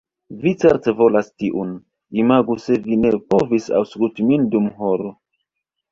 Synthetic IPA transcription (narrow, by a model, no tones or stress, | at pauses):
vit͡seɾte̞vo̞lastiʔun | imaɡuse̞vine̞po̞visa̰wsklutimindumɦoɾo